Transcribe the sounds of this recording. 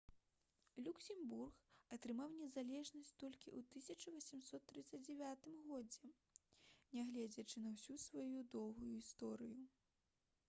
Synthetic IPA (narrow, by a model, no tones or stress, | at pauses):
lʲuksʲɛmburxɐt̪ɾɨmawnʲɛzalʲɛʐnɐsʲt͡sʲt̪ɔlʲkʲiʔut̪ɨsʲɐt͡ʂɐvɐsʲɛmsɔt̪ːɾɨt̪sːɐd͡zʲd͡zʲɛvʲat̪ɨmɣɔd͡zʲɛ | nʲɛɣlʲɛd͡zʲɐt͡ʂɨnɐwsʲusvajud̪ɔwɣujuist̪ɔɾɨju